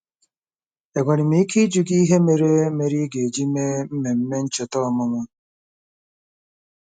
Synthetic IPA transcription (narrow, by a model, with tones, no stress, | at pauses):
e˨ɡʷɔ˨ni˨mi˨˦i˦kʰi˦d͡ʒu˨ɡi˦i˦ɦe˦me˨ɾe˦me˨ɾi˦ɡe˨d͡ʒi˦me˦m̩˦me˨m̩˦me˦n̩˦t͡ʃɔ˨tɔ˦˨mʊ˦ŋʷa˦